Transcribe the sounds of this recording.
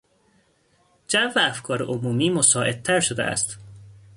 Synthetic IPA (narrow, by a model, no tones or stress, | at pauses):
d͡ʒævææfkʰɒːɾeʔomuːmiːmosɒːʔe̞d̪̚t̪ʰæɾʃod̪ḛʔæ̰st̪